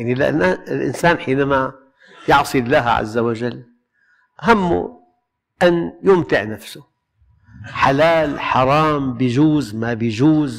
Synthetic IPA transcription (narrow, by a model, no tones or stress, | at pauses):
jaʕnilʔa̰naɪlʔɪ̰nsaːnħiːnama | jɑʕsˤilːaːɦa̰ʕa̰zːawaʒalː | ʔaɦamːṵ | ʔanjʊmt̪ɪʕnafsʊ | ħalaːlħɑɾˤɑːmbɪjʒuːzmabɪjʒuːz